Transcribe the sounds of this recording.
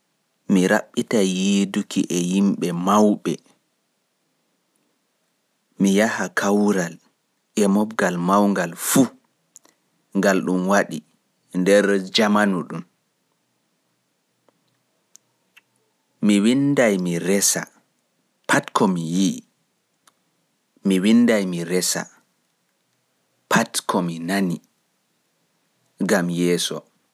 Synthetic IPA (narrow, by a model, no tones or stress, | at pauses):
miɾa̰ɓːitajidukiʔɛjimɓɛmawɓɛ | mijahakʰawɾal | ʔɛmɔbɡalmawŋɡalfu | ŋɡalɗumwaɗi | ndɛɾd͡ʒamanuɗum | miwindajmiɾɛsa̰ | pʰatkʰɔmiji | miwinːdajmiɾɛsa̰ | pʰatkʰɔminani | ɡamjɛːsɔ